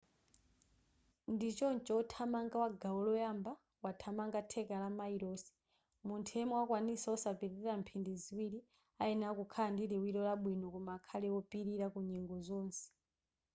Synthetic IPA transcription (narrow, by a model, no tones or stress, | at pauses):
ndit͡ʃɔnt͡ʃɔɔtʰamaŋɡawaɡaɔlɔjamba | watʰamaŋɡatʰɛkalamaiɾɔːsi̥ | muntʰɛmɔwakwanisaɔsapiɾɛɛɾam̩pʰindiziwiɾi | aɛnakukʰaandiɾiwiɾɔlaɓwinɔkɔmaːkʰalɛwɔpiɾiɾakuɲɛŋɡɔzɔːnsɛ̥